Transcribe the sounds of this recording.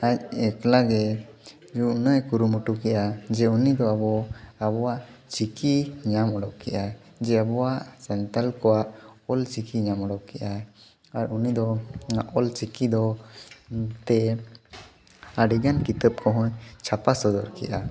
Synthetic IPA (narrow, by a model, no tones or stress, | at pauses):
ac̚ɛklaɡɛ | d͡ʒuʔnəjkuɾumuʈukɛʔad͡ʒɛunid̪ɔabɔabɔwaʔt͡ʃikiɲamɔɽɔʔ̚kɛʔa | d͡ʒɛabɔwaʔsant̪alkɔwaʔɔlt͡ʃikiɲamɔɽɔʔ̚kɛʔa | aɾunid̪ɔaʔɔlt͡ʃikid̪ɔ | t̪ɛ | aɖiɡankit̪əp̚kɔɦɔ̃ɲt͡ʃʰapasɔd̪ɔɾkɛ̰ʔa